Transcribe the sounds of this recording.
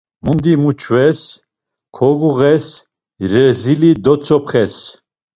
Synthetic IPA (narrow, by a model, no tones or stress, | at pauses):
mund̪imut͡ʃʰvɛs | kʰɔɡuʁɛs | ɾɛzilid̪ɔt͡sʰʼɔpχɛs